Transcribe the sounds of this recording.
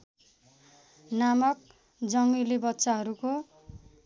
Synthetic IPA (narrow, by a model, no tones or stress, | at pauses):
namʌk̚ | d͡zʌŋɡilibʌtːsaɦʌɾuko